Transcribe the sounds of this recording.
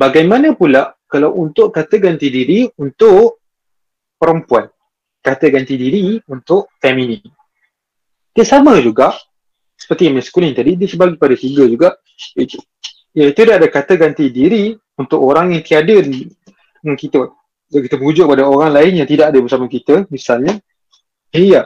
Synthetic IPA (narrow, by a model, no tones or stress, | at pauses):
baɡajmanəpulaʔkalawunt̪ʊʔkat̪əɡant̪idiɾiunt̪ʊʔ | pəɾəmpuan | kat̪əɡant̪idiɾiunt̪ʊʔfɛmĩnin | dəsaməd͡ʒuɡaʔ | sə̥pərt̪iamɛ̃skuliŋt̪adidiəsəbaɡipadat̪iɡəd͡ʒuɡaʔ | jait̪u̥ | jait̪udaʔadakat̪əɡant̪idiɾi | unt̪ʊkʔoɾaŋjaŋt̪iadə | nankit̪ə | dakit̪əbəud͡ʒʊʔ̚kəpadaoɾaŋlaɪnjaŋt̪idaʔadəbəsamakit̪əmisalɲa | eja